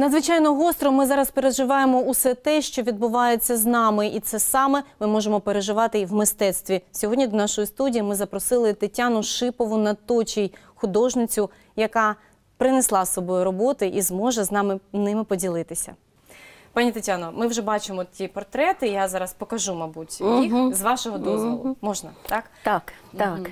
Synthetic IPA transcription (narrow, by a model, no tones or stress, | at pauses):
nɐd̪zʋɪt͡ʃɑjnɔɦɔst̪ɾɔmɪzɑɾɐspeɾeʒɪʋɑjemɔusɛt̪ɛʃt͡ʃɔʋʲid̪̚bʊʋɑjet͡sʲːɐznɑmɪʔit̪sɛsɑmɛmɪmɔʒemɔpeɾeʒɪʋɑt̪ɪʋmɪst̪ɛt̪st̪ʋʲisʲɔɦɔdʲnʲid̪ɔnɑʃɔjist̪udʲijimɪzɐpɾɔsɪlˠɪt̪ɪtʲːanʊʃɪpɔʋʊnɐt̪ɔt͡ʃʲij | xʊd̪ɔʒnɪt͡sʲʊ | jɐkɑ | pɾɪneslˠɑsɔbɔjʊɾɔbɔt̪ɪʔizmɔʒɛznɑmɪnɪmɪpɔdʲilˠɪt̪ɪsʲɐ̰ | pɑnʲit̪ɪtʲanɔmɪwʒɛbɑt͡ʃɪmɔtʲipɔrt̪ɾɛt̪ɪjazɑɾɐspɔkɐʒumɐbutʲjixzʋɑʃɔɦɔd̪ɔzɔ̰lˠʊmɔʒnɐt̪ɑkt̪ak